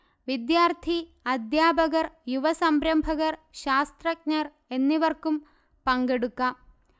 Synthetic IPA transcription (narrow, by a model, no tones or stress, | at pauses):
ʋid̪jaːrt̪ʰiɐd̪jaːbɐɣɐrjuʋɐsɐmbɾɐmbʱɐɣɐrɕaːst̪rɐk̚ɲɐr | e̞nːiʋɐrkum | pɐŋɡeɽukːɐ